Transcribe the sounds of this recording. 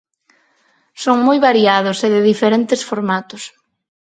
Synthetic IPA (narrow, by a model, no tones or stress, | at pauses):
soŋmojβaɾiað̞ʊseðɪðifeɾent̪esfoɾmat̪ʊs